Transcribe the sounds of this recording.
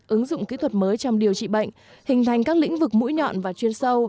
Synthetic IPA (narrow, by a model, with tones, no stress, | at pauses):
ʔɨ˨˦ŋzʊ̰˧˨ŋ͡mki˨˦t̪ʰwə˨˩t̚məː˨˦jt͡ɕɔ˧wŋ͡mɗi˨˩əwt͡ɕḭ˧˨ɓə̰˧˨jŋ̟ | hï˨˩ŋ̟t̪ʰa˨˩jŋ̟kaː˦˥k̚lḭ˧˥ŋ̟vɨ˨˩k̚mṵ˧˥jɲɔ̰˧˨nvaː˨˩t͡ɕwi˧ənsə˧w